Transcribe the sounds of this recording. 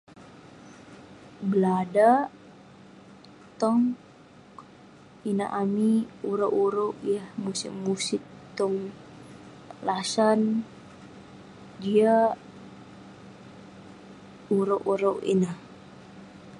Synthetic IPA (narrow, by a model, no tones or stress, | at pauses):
bəlada | t̪ɔŋ | ina̰ʔamiuɾaʔuɾowʔjahmusiʔmusit̪ɔŋ | lasan | dia | uɾoʔuɾowḭnah